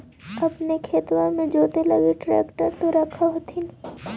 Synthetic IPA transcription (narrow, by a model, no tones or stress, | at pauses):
ɐpnekʰeːt̪wãmẽd͡ʒoːt̪elɐɡeʈɾɛ̰ːkʈəɾt̪oɾɐkʰaɦot̪ʰin